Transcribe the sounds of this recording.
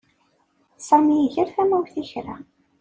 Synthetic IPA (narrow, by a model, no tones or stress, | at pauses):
sˤɑmijiçəɾθæmæwθiçɾæ̰